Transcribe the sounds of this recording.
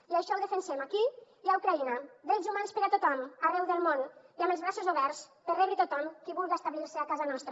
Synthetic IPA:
iaʃɔlðefensɛmaki | iawkɾainad̪ɾɛzumanspəɾat̪ot̪ɔmarɛwðəlˠmoniaməlˠzβɾasozoβɛɾspərɛɣɾit̪ot̪ɔmkiβulɣaest̪aβliɾsəakazanɔst̪ɾə

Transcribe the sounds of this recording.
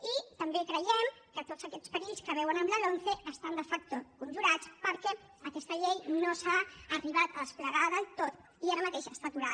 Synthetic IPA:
it̪əmbekɾəjɛmkət̪oz̥əkɛt͡spəɾiʎskəβ̞ɛwənəmləlonθeʔəst̪and̪əfak̚t̪okunʲʒuɾat͡spəɾkɛ | əkɛst̪əʎejnosaːriβat̪əəspləɣaðəlˠt̪ot̪ | iaɾəmət̪eʃəst̪at̪uɾa

